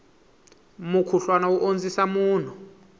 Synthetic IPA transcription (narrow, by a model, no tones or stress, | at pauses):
mukʰuɬwanawuʔond͡zisamuːn̤ɔ